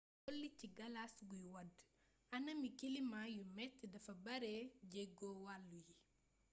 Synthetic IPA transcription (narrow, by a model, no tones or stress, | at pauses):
ɡɔlːiciɡɐlasɡujwɐd | ɐnɐmikilimajumɛtːdɐfɐbɐɾɛɟɛɡɔwalːuji